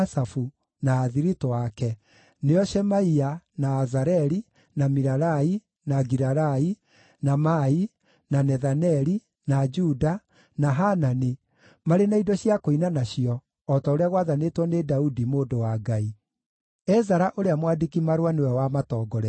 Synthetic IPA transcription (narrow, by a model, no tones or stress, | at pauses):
safu | naːðiɾitowakɛ | neɔʃɛmaianaːzaɾɛɾi | namiɾaɾai | naɡiɾaɾai | namai | nanɛðanɛɾi | nad͡ʒuda | naɦanani | maɾenaidɔɕiakoinanaɕiɔː | taoɾeaɣwaðanetwɔnedaudimoːdowaɡai | ɛzaɾaʔoɾeamwadikimaɾwanewɛwamatɔːɡɔɾɛ